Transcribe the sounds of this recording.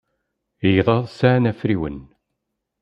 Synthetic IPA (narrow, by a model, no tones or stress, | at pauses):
jðˤɑðˤsaʕnæfɾiwə̰n